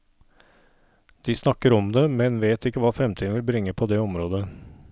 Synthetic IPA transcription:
d̪̥ɪsnɑkːəɾɔmd̪ɛmɛnʋeːt̪ɪkːəʋɑːfɾɛmt̪iːd̪n̩ʋɪlbɾɪŋːəpʰɔd̪ɛɔmɾoːd̪ə

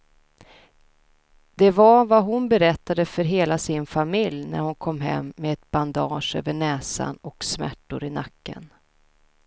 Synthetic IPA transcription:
d̪̥ɛvaɾvaɦʊnbɛɾɛt̪ːad̪əfœɾɦeːlasɪnfamɪljnæ̰ɾhʊnkʰɔmːɦɛ̰mːeɛt̪̚b̥and̪ɑːʂø̰ːvəɳɛːsa̰nɔksmæ̰ʈːʊɾɪnakːə̰n

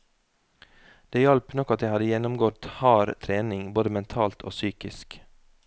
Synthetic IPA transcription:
d̪̥eːjɑlpnɔkɑt̪jæɪhɑd̪əjɛnɔmɡɔt̪hɑːɾt̪ʰɾeːnɪŋboːd̪əmɛnt̪ʰɑːlt̪ʰo̰ːsyːkɪsk

